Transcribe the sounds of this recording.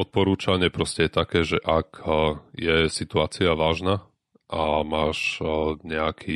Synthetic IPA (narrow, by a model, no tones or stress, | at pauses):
ɔt̪̚pɔɾuːt͡ʃaɲɪɛpɾɔscɛjɛt̪akɛːʒɛʔakjɛsit̪uaːt͡siaʋaːʒna | ʔamaːʃɲɛakʰi